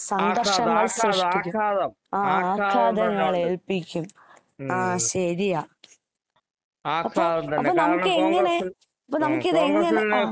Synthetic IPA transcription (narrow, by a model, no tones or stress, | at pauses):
sɐŋɡ̪ɐrʂɐŋːɐɭseːikʲːu | aːaːkʰːaːd̪ɐŋːɐɭeɭpikʲːum | aːɕɐɾijaː | ɐpːoɐppoːnɐmukːɨeŋːɐne̞ | ɐpːoːnɐmukːiðeŋːɐne